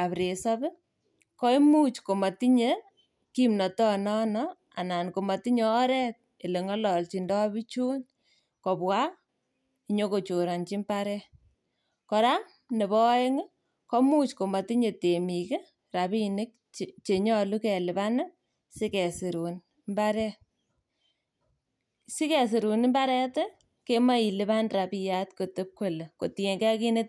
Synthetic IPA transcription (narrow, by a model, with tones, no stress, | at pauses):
a˨pɾe˨sɔ˦bɪ˦ | kɔ˦i˦mu˦t͡ʃko˨ma˨ti˦ɲe | ki˦mnɔ˨tɔ˦nɔ˦nɔ | a̰˨na˨nko˨ma˨ti˦ɲɔː˦ɾɛ˦t̚ | e˨le˨ŋɔ˦lɔ˨lt͡ʃi˨ndɔ˦bi˦t͡ʃu˦n | kɔ˨pwa˦ | i˦ɲo˦ko˨t͡ʃo˨ɾa˨nt͡ʃi˦mpa˦ɾɛ˦ | kɔ˧ɾa˦m | ne˨βɔ˦e˦ŋɪ˦ | kɔ˦mu˦t͡ʃko˨ma˨ti˦ɲe˨te˨mi˨ke˦ | ra˨bi˦nɪ˦k̚ | t͡ʃe˨ɲɔ˦lu˦kɛ˨lɪ˨ba˦n˦ | sɪ˦kɛ˨sɪ˨ɾu˨n | mba˦ɾɛ˦ | si˦kɛ˨s̬ɪ˨ɾu˨n˦mba˦ɾɛ˦tɛ˦ | ke˦ma˦i˨lɪ˦ba˦nra˨bi˦ja˦tko˨tɨ˦p̚kwe˨le˨ko˨ti˨e˨ŋke˦a˦ki˦ne˦t